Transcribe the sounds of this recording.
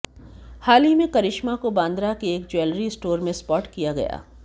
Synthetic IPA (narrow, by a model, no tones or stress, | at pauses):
haːlimẽkɐɾɪʃmakobãːnd̪ɾakeeːkd͡ʒwɛːlɾisʈoːɾmẽspɔːʈkijaɡɐ̰ja̰ː